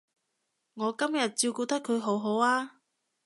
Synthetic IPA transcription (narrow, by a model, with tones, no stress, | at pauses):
ŋɔː˨˧kɐ˥mjɐ˨t̚t͡siː˧wkuː˧t̪ɐ˥kʰːɵ˨˧ɥɦo˨˥wɦo˨˥waː˥